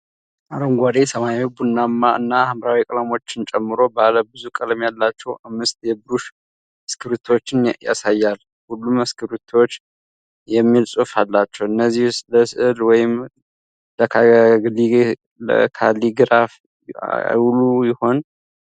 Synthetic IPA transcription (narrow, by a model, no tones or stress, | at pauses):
ʔaɾəŋɡʷad̪esəmajawibunːamːaɨnːahɨmɾawikʼlamot͡ʃːɪnt͡ʃʼɛmːɨɾo̞baləbɨzukʼəlmjalːat͡ʃːɛwʔamːɨst̪ʼjɛbɾuʃ | əskʰɨɾut̪ʰo̞t͡ʃːɪnja̰sajːal | hulːuməskʰɨɾut̪ʰo̞t͡ʃː | jɛmːilsʼufalːat͡ʃːɛwɨnːəzːihsləslwɔjɪm | ləkʰaɡli | lə̰kʰaliɡɾaf | wlujɪho̞n